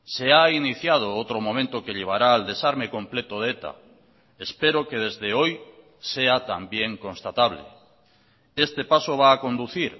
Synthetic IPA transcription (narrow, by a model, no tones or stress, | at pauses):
seainiθjað̞oowt̪ɾomomẽnt̪okeʎeβ̞aɾaːld̪esaɾmekõmplet̪oð̞et̪a̰ | espeɾokeð̞ezðeoj | seat̪ambjeŋkõnst̪at̪aβlḛ | est̪epasoβ̞aːkond̪uθiɾ